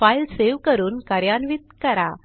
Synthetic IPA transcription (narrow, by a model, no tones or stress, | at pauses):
failseʋkəɾuːnkaɾjanʋit̪̚kəɾa